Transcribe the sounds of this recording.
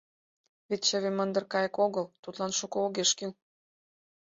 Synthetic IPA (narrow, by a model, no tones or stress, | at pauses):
βet̪t͡ɕəβemə̆nd̪ərkɑjə̆koɣɤ̆lt̪ut̪lɑnʃukooɣeʃkil